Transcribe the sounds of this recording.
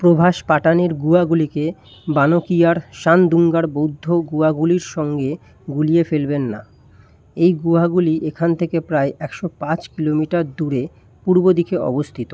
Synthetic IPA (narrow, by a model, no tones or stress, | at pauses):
pɾobʱaʃpaʈaneɾɡuaɡulike | banokijaɾʃand̪uŋɡaɾbowd̪ʱːoɡuaɡuliɾʃɔŋɡe | ɡuliefelbenːa̰ | ejɡuaɡuliʔekʰant̪ʰekepɾaeʔɛkʃopãt͡ɕkilomiʈaɾd̪uɾe | puɾbod̪ikʰeɔ̰bost̪ʰit̪o